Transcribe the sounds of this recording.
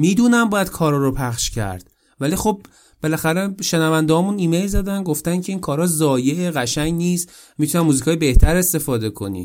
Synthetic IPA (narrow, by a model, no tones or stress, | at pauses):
miːd̪uːnæmbɒːjæd̪kʰɒːɾɒːɾopʰæχʃcʰæ̰ɾd̪̥ | vælixo̞b̚ | b̥e̞læxæɾeʃenævænd̪eɦɒːmuːniːmejlzæd̪ænɡo̞ft̪æncʰe̞iːnkʰɒːɾɒːzɒːje̞ʔeɣæʃæɲniːst̪ | mit̪ʰunæmuːzikʰɒːjebe̞ht̪ʰæɾe̞st̪e̞fɒːd̪e̞kʰo̞̰nḭ